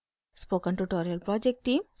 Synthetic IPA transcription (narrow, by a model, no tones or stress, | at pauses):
spoːkə̃ɳʈuʈɔːɾiəlpɾɔd͡ʒek̚ʈʈːĩːms